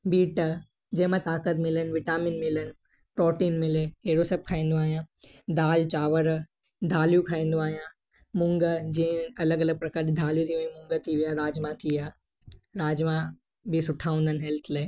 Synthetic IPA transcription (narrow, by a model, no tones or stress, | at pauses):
biːʈ | d͡ʑẽɦmãt̪aːkət̪̬mɪlənʋɪʈaːmɪnmɪlən̆ | pɾɔːʈiːnmɪleɦeːɽosɐb̚kʰaːĩːn̆d̪oaːɦijãːd̪aːlt͡ɕaːʋəɾ | d̪ʱaːljukʰaːĩːn̆d̪oaːɦijãː | mʊ̃ŋɡəd͡ʑẽɐləɡɐləɡ̚pɾɐkaːɾd͡ʑid̪ʱaːljut̪ʰiʋẽmʊ̃ŋɡət̪ʰiʋijaɾaːd͡ʑmãt̪ʰiaː | ɾaːd͡ʒmã | bisʊʈʰaːʊ̃nd̪ənɦɛlt̪ʰleː